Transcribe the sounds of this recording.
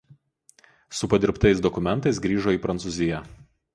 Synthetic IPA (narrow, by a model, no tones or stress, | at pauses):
sʊpɐd̪ʲɪɾpt̪ɐɪs̬d̪ɔkʊmʲɛnt̪ɐɪsɡɾʲiːʒoːiːpɾɐnt̪suːzʲɪjɛ